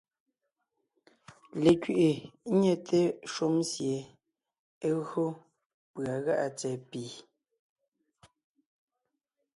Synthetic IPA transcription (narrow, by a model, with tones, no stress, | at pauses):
le˨kɥi˨ʔe˨˦ɲɛ˦tʰe˦ʃu˦msje˨ | e˦ɣɰo˦ | pɰa˨ɣa˦ʔa˨t͡sɛ˨piː˨